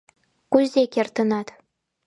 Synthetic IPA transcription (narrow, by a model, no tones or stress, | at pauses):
kuzʲekʲert̪ə̆nɑt̪